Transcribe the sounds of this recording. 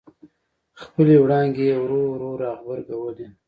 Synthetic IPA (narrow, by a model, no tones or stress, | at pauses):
xpəlewɽɑŋɡeawɾoɾoɾɑːɣbəɾɡawəli